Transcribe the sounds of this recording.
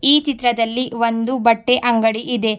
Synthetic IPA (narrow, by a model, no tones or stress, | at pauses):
iːt͡ʃit̪ɾɐd̪ɐlːiʋond̪ubɐʈːe̞ʔɐŋɡɐɽiʔid̪e̞